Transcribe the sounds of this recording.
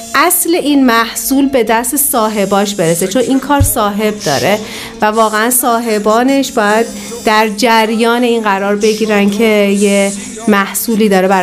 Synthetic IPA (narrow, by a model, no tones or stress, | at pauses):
ʔæsle̞ʔinmæhsuːlbe̞d̪æst̪esɒːɦe̞bɒːʃbe̞ɾeset͡ʃʰo̞nʔiːnkʰɒːɾsɒːɦe̞b̚d̪ɒ̰ːɾe̞ | vævɒːɣe̞ænsɒːɦe̞bɒːne̞ʃb̥ɒːjæd̪̚ː | æɾd͡ʒæɾjɒːneiːnɢæɾɒːɾbe̞ɟiːɾæncʰe̞je | mæhsuːliːd̪ɒːɾebæ